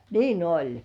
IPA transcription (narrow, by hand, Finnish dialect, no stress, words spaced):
niːn olʲ